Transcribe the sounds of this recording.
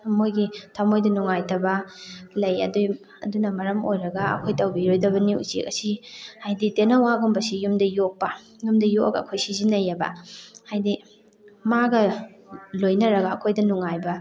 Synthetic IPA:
mojɡitʰɐmojdɐnuŋajtɐbɐlɐjɐ̰duj | ɐ̰dunɐmɐɾɐmojɾɐɡɐɐ̰kʰojtʰɐwbiɾojdɐbɐniṵt͡ʃḛkɐsihajditenɐwaɡombɐsijumdɐjok̚pɐ | jumdɐjok̚ɐɡɐ̰ːkʰojsizinɐjɐbɐ̰hajdi | maɡɐ | lojnɐɾɐɡɐːkʰojdɐnuŋajbɐ

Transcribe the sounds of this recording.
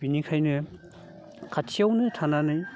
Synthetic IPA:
binikʰajnɯ | kʰatʰiawnɯtʰananɯj

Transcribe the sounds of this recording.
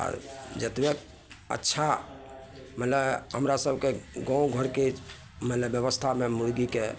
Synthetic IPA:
ə̰ɾd͡ʒət̪bek | ə̰tːʃʰa | mələɦəmɾasəb̚ʱkeɡɔ̃ũɡʱəɾke | mələbjəbəst̪ʰamemuɽɡike

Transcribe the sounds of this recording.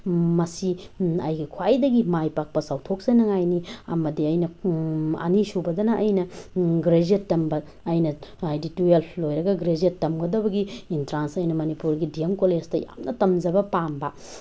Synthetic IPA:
mɐsiɐ̰jɡikʰwajdɐɡimajpak̚pɐsawtʰok̚sajnɐŋajniɐ̰mɐdiɐjnɐ | ɐ̰nisubɐdɐnɐʔɐjnɐɡɾed͡ʒietːɐmbɐː | jnɐajdituellojɾɐɡɐɡɾed͡ʒietːɐmɡɐdɐbɐɡiːntɾansɐjnɐmɐnipuɾɡidiemkolestɐja̰mnʔɐtɐmd͡ʒɐbɐpambɐ

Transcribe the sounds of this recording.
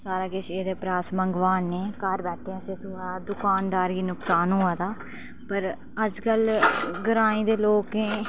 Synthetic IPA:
saːɾaːɡɪt͡ʃeːd̪eːpɾaːsməŋɡʋaːnːeːkəɾbɛːʈʰeãːset̪ʊːaːaːd̪ʊkaːnd̪aːɾɡiːnʊksaːnɦʊːaːd̪aː | pəɾ | əd͡ʒkəlɡəɾaːĩːd̪eːloːkɦẽː

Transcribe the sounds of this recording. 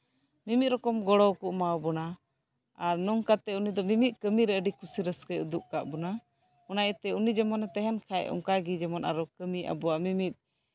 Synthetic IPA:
mimit̪̚ɾɔkɔmɡɔɽɔwkuʔmawbɔna | aɾnɔŋkat̪ɛunid̪ɔmimit̪̚kəmiɾɛəɖikusiɾəskəud̪uʔ̚kaʔbɔna | ɔnajɛt̪ɛunid͡ʒɛmɔnɛt̪ɛɦɛnkʰaɛ̰ʔɔ̰ŋkaɡid͡ʒɛmɔnʔa̰ɾɔkəmiʔa̰bɔwaʔmimit̪̚

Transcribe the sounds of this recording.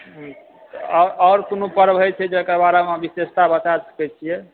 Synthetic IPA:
ɔɾɔːɾkonopəɾbɦət͡ʃʰɛd͡ʒekəɾbaɾamabisest̪abət͡ʃasə̥kɛt͡ʃʰijɛ

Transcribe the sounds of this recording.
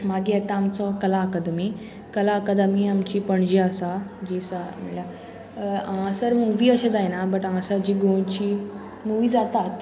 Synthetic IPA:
maɡiat̪ãːmt͡sɔkəlaəkad̪mi | kəlaəkad̪əmiamt͡ɕiːpəɳd͡ʑiasad͡ʑiːsamilja | ãsəɾmuʋiːəɕẽd͡zajnabəʈãsad͡ʑiːɡont͡ɕiː | muʋiːd͡zat̪at̪

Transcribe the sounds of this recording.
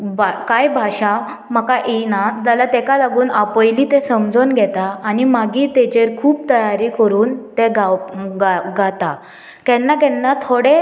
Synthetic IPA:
bakajbʱaɕa | məkaʔinad͡z̪alat̪ɛkalaɡuːnapəjliːt̪ẽsəmd͡zonɡʱɛt̪aːnimaɡiːt̪et͡ɕeɾkʰuːpt̪əjaɾiːkəɾuːnt̪eɡaɡaɡat̪a | kɛnːakɛnːat̪ʰoɽe

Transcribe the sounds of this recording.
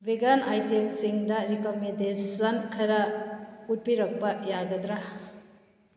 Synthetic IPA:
beɡanajtemsiŋdɐɾikomendesɐnkʰɐɾɐut̚piɾɐk̚bɐjaɡɐdɾa

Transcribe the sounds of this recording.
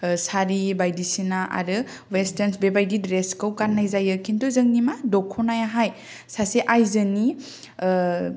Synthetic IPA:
saɾibajdisinaʔa̰ɾɯ | westensbebajɡidɾeskɯwkanːajzajɯkʰintuzɯŋnimadɔkʰɔnajaɦaj | saseʔajzɯni

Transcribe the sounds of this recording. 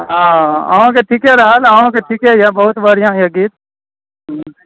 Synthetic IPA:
ɦãa̰õkeʈʰiːkɦɛɾɐɦalaõkeʈʰiːkɦɛjabɐɦʊt̪baɾjãjaɡiːt̪̚

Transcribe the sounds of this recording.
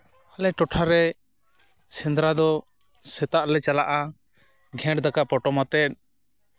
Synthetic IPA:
alɛʈɔʈʰaɾɛ | sɛ̃nd̪ɾad̪ɔ | sɛt̪aʔlɛt͡ʃalaʔa | ɡʱɛ̃ʈd̪akapɔʈɔmat̪ɛt̪̚

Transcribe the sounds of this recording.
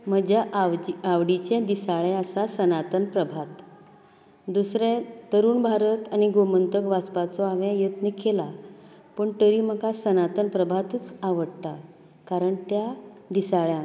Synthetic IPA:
m̤əɡd͡ʑaiaʋɽit͡ɕɛ̃d̪isaɭɛ̃əsasənat̪ənpɾəbʱat̪ | d̪usɾɛ̃t̪əɾuːnbʱaɾət̪aniɡomənt̪əkʋaspat͡sɔaʋẽjət̪nikʰːela | pəːɳʈ̪əɾiːm̤əkasənat̪ənpɾəbʱat̪ət͡saʋəɽʈ̪a | kaɾəɳt̪jad̪isaɭjã

